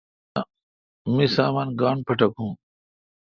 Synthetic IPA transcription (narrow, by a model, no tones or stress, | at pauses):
mĩːsaːmaːnɡaːɳpʰəʈəkɦũː